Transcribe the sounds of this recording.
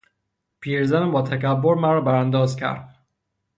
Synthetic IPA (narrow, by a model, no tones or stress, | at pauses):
pʰiːɾzænbɒːt̪ʰæcæbːoɾmæɾɒːbæɾænd̪ɒːzcʰæ̰ɾd̪̥